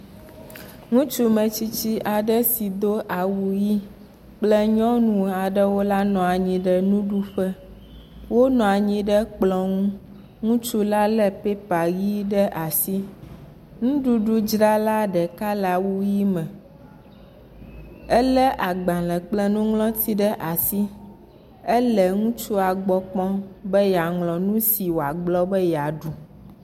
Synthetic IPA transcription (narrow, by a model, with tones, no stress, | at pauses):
ŋũ˦t͡ʃu˦mə̃˨t͡ɕi˦t͡ɕi˦ʔa˨ɖə˦si˨d̪o˦ʔa˨wu˨ji˦ | k͡plə˦ɲɔ̃˦nũ˨a˨ɖə˦wo˦la˦nɔ̃˨a˨ɲĩ˨ɖə˦nũ˦ɖu˦ɸɛ˦ | wo˦nɔ̃˨a˨ɲĩ˨ɖə˦k͡plɔ̃˨ŋũ˦ | ŋũ˦t͡ʃu˦la˦lə˦pe˦pa˨ji˦ɖə˦ʔa˨si˦ | ŋũ˦ɖu˦ɖu˦d͡ʒɾa˦la˦ɖɛ˨ka˦la˨wu˦ji˦mɛ̃˨ | ɛ˦lɛ˦ʔa˨ɡ͡bã˨lɛ˨k͡plɛ˦nũ˦ŋlɔ̃˦t̪ʰi˦ɖɛ˦ʔa˨si˦ | ɛ˦lɛ˨ŋũ˦t͡ʃu˦a˨ɡ͡bɔ˦k͡pɔ̃˦bɛ˦ja˨ŋlɔ̃˨nũ˦si˨wo˨a˨ɡ͡blɔ˦bɛ˦ja˨ɖu˨